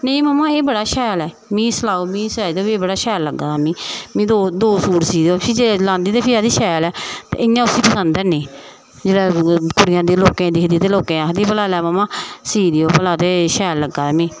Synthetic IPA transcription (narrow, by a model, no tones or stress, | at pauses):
neĩːməmãːeːbəɽaːʃɛːlɛː | mĩːsəlaːoːmĩːsaːiːd̪oːieːbəɽaːʃɛːlːəɡaːaːmĩːmĩːd̪od̪oːsuːɾsiːd̪oːiːd͡ʒelãːnd̪iːt̪eːpʰɪaːd̪iːʃɛːlɛːt̪ḛːɪjãːʊsiːpəsənd̪ɛːnĩː | d͡ʒeːɽaːkʊɽɪjãːd̪iːloːkẽːd̪ɪːkʰd̪iːt̪eːloːkẽːaːd̪iːpəlaːlɛːməmãːsiːd̪eːoːpəlaːt̪eːʃɛːlːəɡaːmĩː